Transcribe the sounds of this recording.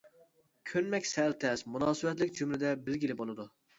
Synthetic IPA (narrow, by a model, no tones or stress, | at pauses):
kʲʰønmɛkʲsɛlt̪ʰɛsmunɑːsɨbɛt̪lɪk̚ʲd͡ʒymlɪd̪ɛbɪlɡʲilɪbolˠɨd̪u